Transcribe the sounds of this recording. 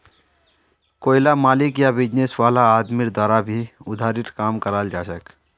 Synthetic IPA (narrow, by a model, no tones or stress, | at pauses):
koːɪlamaːlɪkjabɪd͡ʒneswaːlaːd̪miɾd̪waːɾabʱiʊd̪ʱaːɾɪɾkaːmkəɾaːld͡ʒaːsək